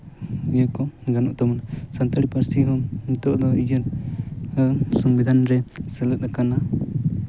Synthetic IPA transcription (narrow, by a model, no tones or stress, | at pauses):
ijəkɔɡanɔʔt̪amɔnasant̪aɽipəɾsiɦɔmit̪ɔʔd̪ɔid͡ʒəɾ | sɔmbid̪ʱanɾɛsɛləakana